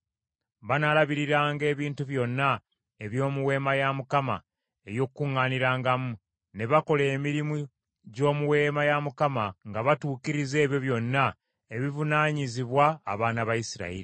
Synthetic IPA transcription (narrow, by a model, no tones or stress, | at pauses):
βanalaβiɾiɾaːŋɡe̞ːβiːntuβjo̞nːa | e̞βjo̞ːmuwe̞ːmajamukama̰ | e̞jo̞kkːuŋːaːniɾaːŋɡamu | ne̞βako̞le̞ːmiɾimu | ɟo̞ːmuwe̞ːmajamukamaŋɡaβatuːkiɾize̞ːβjo̞βjo̞nːa | eβivunaːɲiziβwaːβaːnaβajisiɾa̰iɾi